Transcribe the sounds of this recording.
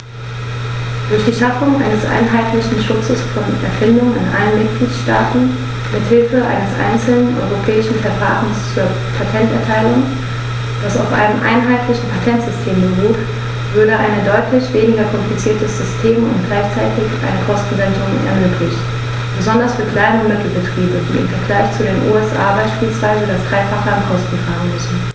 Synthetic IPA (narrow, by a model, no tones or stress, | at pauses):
d̥ʊɐçd̥iːʃafʊŋʔa̰ɪnəsʔa̰ɪnɦaɪtlɪçn̩ʃʊt͡səsfɔnɛ̰ɐfɪndʊŋənɪnʔa̰lənmɪt̚ɡ̥liːtʃtaːtn̩ | mɪthɪlfəʔa̰ɪnəsʔa̰ɪnt͡sl̩nənʔɔ̰ʏʁopʰɛːɪʃn̩fɛɐfa̰ːʁn̩st͡suːɐ | pʰatʰɛntɛɐtʰaɪlʊŋ | d̥asa̰ʊfʔa̰ɪnəmʔa̰ɪnɦaɪtlɪçn̩pʰatʰɛntz̥ʏstʰeːmbəʁuːt | vʏɐdəʔaɪnədɔʏtʰlɪçv̥eːnɪɡɐkʰɔmplit͡siːɐtəz̥ʏstʰeːmʊ̰ntɡ̥laɪçt͡saɪtɪçʔa̰ɪnəkʰɔstn̩vɛntʊŋ̰nɛ̰ɐmøːkʰlɪçt | b̥əzɔndɐsfyːɐkʰl̥aɪnəʊnmɐkl̩bətʁ̥iːbədḭːɪ̰mfɛɐɡlaɪçt͡sudeːnʔṵɛsʔa̰ːbaɪʃpiːlsv̥aɪzədasd̥ʁaɪfaχəankʰɔstn̩faːʁn̩mʏsn̩